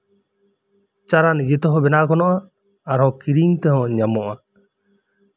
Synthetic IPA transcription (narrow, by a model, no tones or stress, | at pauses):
t͡ʃaɾanid͡ʒɛt̪ɔɦɔ̃bɛnaʔkɔnɔʔaː | ɾɦɔ̃kiɾiŋt̪ɛɦɔ̃ɲamɔʔa